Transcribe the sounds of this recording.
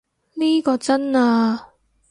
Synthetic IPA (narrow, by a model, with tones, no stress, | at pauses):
niː˥kɔː˧t͡sɐ˥naː˧